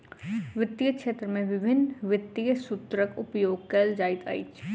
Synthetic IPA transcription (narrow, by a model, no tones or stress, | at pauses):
ʋɪt̪ːiəkʃeːt̪ɾəmẽʋɪbʱɪnʋɪt̪ːijəsʊt̪ɾəkʊpjoːɡ̚keːld͡ʒaːɪt̪ʰa̰ɪ̰t͡ʃ